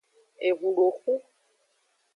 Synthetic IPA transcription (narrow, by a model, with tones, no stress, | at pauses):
e˨ɣu˨lo˨xu˦